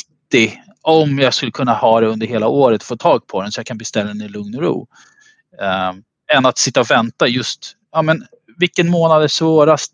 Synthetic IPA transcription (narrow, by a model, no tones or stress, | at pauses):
t̪ɪ | ɔmjɑɡskɵlːəkʰɵnːahɑːd̪ɛɵnd̪əɾheːlaoːɾət̪foːt̪ʰɑːɡ̚pʰɔd̪ɛnsɔjakʰanbɛst̪ɛlːad̪ɛnɪlɵŋnɔɾṵː | ɛnːat̪sɪt̪ːaɔvɛnt̪ajɵst̪ | ɑːmɛn | vɪkːənmoːnad̪æʂvoːɾast̪